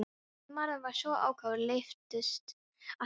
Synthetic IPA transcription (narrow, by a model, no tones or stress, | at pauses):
maɾʏnvaɾ̥sɔʔa̰ːwkʰaːvʏɾlejft̪ʏst̪ | a